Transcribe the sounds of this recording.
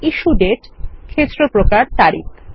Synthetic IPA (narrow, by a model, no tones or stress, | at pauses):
iʃuɖeʈkʰet̪ːɾopɾokaɾt̪aɾḭk